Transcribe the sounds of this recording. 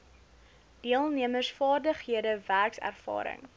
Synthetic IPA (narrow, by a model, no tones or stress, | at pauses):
d̥iəlˠniəmərsfɑːrdəχɦiədəværksæ̰rfɑ̰ːɾə̰ŋ